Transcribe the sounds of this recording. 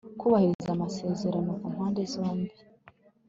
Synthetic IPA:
kuβahiɾiizamase̞ːze̞ɾonokumhaːnde̞zo̞ːmbi

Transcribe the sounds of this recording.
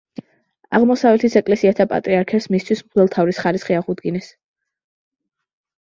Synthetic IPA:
a̰ʁmɔsavɛt̪ʰisɛkʼlɛsiat̪ʰapʼa̰t̪ʼɾiaɾkʰɛpsmist̪ʰwismvɛlˠt̪ʰavɾisχaɾisχiaʁud̪ɡinɛs

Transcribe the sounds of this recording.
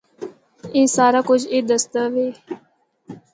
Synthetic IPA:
ẽːsaːɾaːkʊd͡ʒeːd̪əst̪əʋeː

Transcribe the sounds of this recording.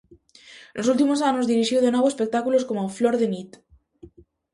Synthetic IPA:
losult̪̬imos̬anozðiɾiʃjowðenwoβoespek̚t̪akuloskomofloɾðenit̪

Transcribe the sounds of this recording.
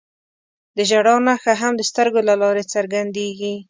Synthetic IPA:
d̪əʒaɽɑnaxaɦamd̪əst̪əɾɡolalɑɾet͡səɾɡand̪eɡi

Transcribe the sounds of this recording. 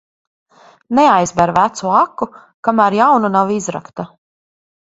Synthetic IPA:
nɛajzbɛɾvæt̪suakːu | kamæɾjawnunawizɾa̰kt̪a

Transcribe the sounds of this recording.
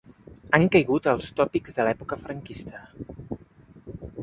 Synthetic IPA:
aŋkəjɣut̪əlˠst̪ɔpiɡzðəlɛpukəfɾəŋkist̪ə

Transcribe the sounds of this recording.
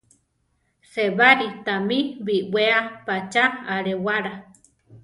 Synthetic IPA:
seβaɾit̪amĩβiwʷeapat͡ʃaaɾewaɾa

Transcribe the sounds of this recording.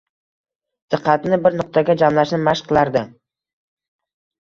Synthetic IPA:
d̪̥ɨqʰːɑt̪nɪbɪɾnʊq̚t̪ʰaɡʲad͡ʒamlaʃnɪmaʃqʰɨlˠaɾd̪ɪ

